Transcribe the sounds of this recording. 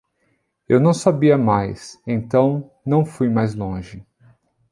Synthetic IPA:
ewnɐ̃w̃sabiɐmajsẽnt̪ɐ̃w̃ | nɐ̃w̃fujmajzlõʒɪ

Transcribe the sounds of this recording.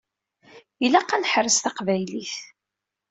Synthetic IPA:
jilæqːænħɾəsθɑqvæjliθ

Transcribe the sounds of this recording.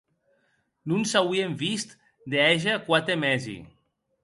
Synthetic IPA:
nunsawiemvist̪ | d̪eɛʒakwat̪emɛzḭ

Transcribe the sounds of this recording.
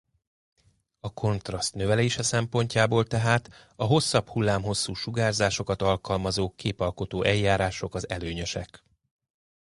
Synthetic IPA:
ɒkʰo̞nt̪rɒst̪nø̞vɛleːʃɛsɛmpo̞ɲcaːboːlt̪ɛɦaːt̪ | ɒɦo̞sːɒphulːaːmɦo̞sːuːʃuɡaːrzaːʃo̞kɒt̪ɒlkɒlmɒzoːkeːpɒlko̞t̪oːʔɛjːaːɾaːʃo̞kɒzɛløːɲøʃɛ̰k

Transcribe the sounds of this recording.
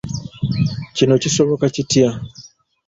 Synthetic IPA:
cino̞ciso̞βo̞kacitia

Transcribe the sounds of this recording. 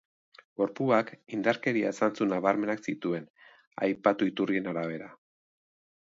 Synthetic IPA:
ɡo̞ɾpuakind̪aɾke̞ɾiaesant͡sunaβaɾme̞naksit̪ue̞n | a̰jpat̪uit̪urie̞naɾaβ̞e̞ɾa

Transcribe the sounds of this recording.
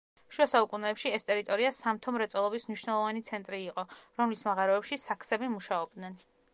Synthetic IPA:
ʃuasaukʼunɛːpʃiɛst̪ʼɛɾit̪ʼɔɾiasamt̪ʰɔmɾɛt̪sʼɔlˠɔbismniʃwnɛlˠɔvanit̪sʰɛnt̪ʼɾiːqʼɔɾɔmlismaʁaɾɔɛpʃisakʰsɛbimuʃaɔb̚d̪nɛn

